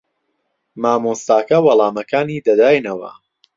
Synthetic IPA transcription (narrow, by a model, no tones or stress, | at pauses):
maːmost̪aːkɐwɐlˠaːmɐkaːniːd̪ɐd̪aːjnɐwɐ̰